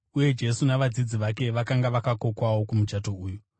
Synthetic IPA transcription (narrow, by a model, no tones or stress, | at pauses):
uje̞d͡ʒe̞sunaʋad͡zid͡ziʋake̞ʋakaŋɡaʋakako̞kwawo̞kumut͡ʃato̞uːju